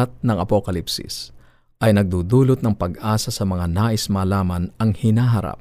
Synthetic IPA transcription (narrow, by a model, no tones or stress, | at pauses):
at̪̚nɐŋɐpokɐlipsɪ̰s | ʔɐjnɐɡ̚d̪uːd̪uːlot̪̚nɐŋpɐɡʔaːsɐsɐmɐŋanaːʔɪsmaːlaːmɐnɐŋhɪnaːɦɐɾa̰p̚